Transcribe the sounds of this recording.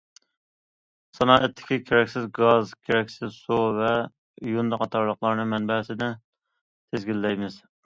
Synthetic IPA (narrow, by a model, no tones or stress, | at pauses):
sɑnɑːʔɛt̪ʰːɪ̥kʲikʲʰeɾɛkʲsɪzɡɑzɡʲʰeɾɛkʲsɪzsuvɛ | jund̪ɑqʰɑt̪ʰɑɾlˠəqlˠɑɾnɨmɛnbɛsɪnɪ | t̪ʰezɡʲilːɛjmɪz̥